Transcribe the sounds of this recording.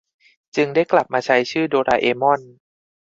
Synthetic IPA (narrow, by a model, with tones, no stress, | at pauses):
t͡ɕɯ˧ŋda˥˩jkla˨˩p̚maː˧t͡ɕʰa˦˥jt͡ɕʰɯː˥˩doː˧ɾaː˧ʔeː˧mɔ˥˩n